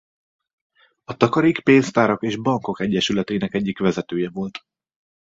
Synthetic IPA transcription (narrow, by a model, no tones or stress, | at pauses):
ɒt̪ɒkɒɾikpeːnst̪aːɾo̞keːʒbɒŋko̞kɛɟːɛʃylɛt̪ɛːnɛkɛɟːikʋɛzɛt̪øːjɛvo̞lt̪